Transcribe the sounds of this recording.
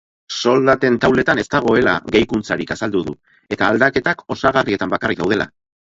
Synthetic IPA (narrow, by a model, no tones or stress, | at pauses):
so̞ld̪at̪e̞nt̪awle̞t̪ane̞st̪aɣ̞o̞e̞la̰ɣejkunt͡saɾikasald̪uðṵ | e̞t̪aːld̪ake̞t̪ako̞saɣarie̞t̪ambakarikða̰wðe̞lʔa̰